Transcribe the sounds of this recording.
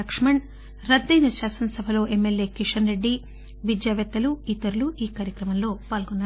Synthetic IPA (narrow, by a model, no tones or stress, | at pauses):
ɐkʂmɐɳ | ɾɐd̪ːɐjniʃaːsɐnsɐbʱɐlo̞ːʔemːelje̞ːkiʂɐnɾe̞ɖːi | ʋid͡ʒjaːʋɐt̪ːɐluit̪ːɐɾuluiːkaːɾjɐkɾɐmɐmlo̞ːpaːlɡɔnːaː